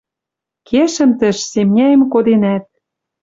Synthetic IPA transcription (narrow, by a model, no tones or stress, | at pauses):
kʰeʃə̆mt̪ə̆ʃsemnʲæjə̆mkod̪enæt̪̚